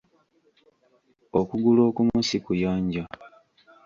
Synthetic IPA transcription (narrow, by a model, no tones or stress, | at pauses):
okuɡulo̞ːkumusikujaːɲɟa